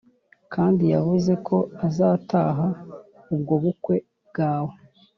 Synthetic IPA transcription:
kʰaːndijavuze̞kʰo̞azaːtaːɦa | ubɡo̞βukwe̞ | b̚ɡaːwo

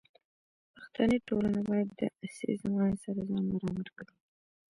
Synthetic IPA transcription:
paxt̪anəʈolanabɑjad̪ːə̰asḛzamɑnsaɾazɑnaɾɑmaɾkawi

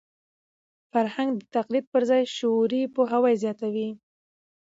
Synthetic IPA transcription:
faɾhaŋɡd̪ət̪aqlid̪̚pəɾzɑjʃoɾipoɦawɑjzjɑt̪awi

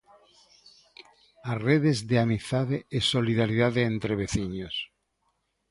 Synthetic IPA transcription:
areðezðeamiθt̪aðeesoliðaɾiðaðeent̪ɾeβ̞eθiɲos

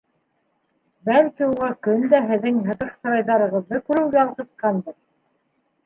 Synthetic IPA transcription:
bælkiuʁɑkɵnd̪æɦɘ̆ðːɘŋɦɤ̆ðɤqsɤ̆ɾɑjðɑɾɤ̆ʁɤ̆ðːɤkʉɾɘ̆wɡæɑlˠqɤ̆t̪qɑnbɤð

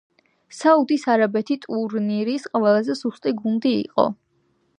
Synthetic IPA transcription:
saud̪isaɾabɛt̪ʰit̪ʼuɾniɾisqʼvɛlˠazɛsust̪ʼiɡund̪ḭːqʼɔ̰

